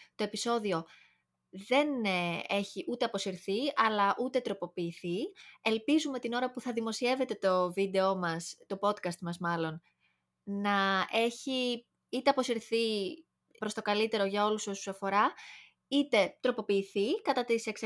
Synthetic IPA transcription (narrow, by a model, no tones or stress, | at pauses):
t̪o̞e̞piso̞ðio̞ | ðe̞ne̞çiʔut̪e̞ɐpo̞siɾθiɐlɐʔut̪e̞t̪ɾo̞po̞piːθie̞lpizume̞t̪ino̞ɾɐpuθɐðimo̞sie̞ve̞t̪e̞t̪o̞vid̪e̞o̞mɐst̪o̞po̞t̪kɐst̪mɐzmɐlo̞n | nɐe̞çi | it̪e̞ɐpo̞siɾθi | pɾo̞st̪o̞kɐlit̪e̞ɾo̞ʝɐo̞luso̞susɐfo̞ɾɐ | it̪e̞t̪ɾo̞po̞piːθikɐt̪ɐt̪iseks